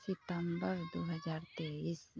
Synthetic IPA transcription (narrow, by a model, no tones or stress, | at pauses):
sit̪əmbəɾd̪oːɦɐd͡ʒaːɾt̪eis